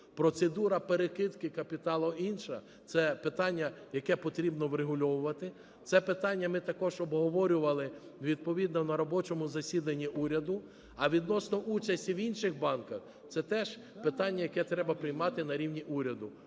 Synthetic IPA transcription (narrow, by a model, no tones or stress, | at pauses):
pɾɔt̪sed̪uɾɐpeɾekɪt̪kɪkɐpʲit̪ɑlˠɔinʃɐ | t̪sɛpɪt̪ɑnʲːɐ | jɐkɛpɔt̪ɾʲibnɔʋɾeɦʊlʲɔʋʊʋɐt̪ɪ | t̪sɛpɪt̪ɑnʲːɐmɪt̪ɐkɔʒɔbɦɔʋɔɾʲʊʋɐlˠɪʋʲid̪̚pɔʋʲid̪nɔnɐɾɔbɔt͡ʃɔmʊzɐsʲid̪ɐnʲːiʔuɾʲɐd̪ʊ | ɐʋʲid̪nɔsnɔʔut͡ʃɐsʲtʲiʋinʃɪɣbɑnkɐx | t̪sɛt̪ɛʒ̥ | pɪt̪ɑnʲːɐjɐkɛt̪ɾɛbɐpɾɪjmɑt̪ɪnɐɾʲiwnʲiʔuɾʲɐd̪ʊ